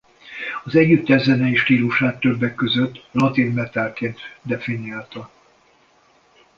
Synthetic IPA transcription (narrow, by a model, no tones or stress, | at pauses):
ɒzɛɟːyt̪ːɛzɛnɛiːʃt̪iːluʃaːt̪ːø̞bːɛkːø̞zøt̪ːlɒt̪inmɛt̪ɛlkeːnt̪d̪ɛfiniaːlt̪ɒ